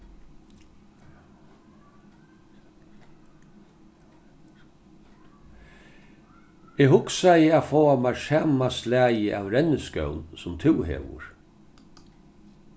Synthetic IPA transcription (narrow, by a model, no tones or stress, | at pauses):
ɛɣɦʊksajəafoːamasaːmaslæːjəʔawɾɛnəskœ̰wnsʊmt̪ʰɪwhḛːʋʊ̰ɹ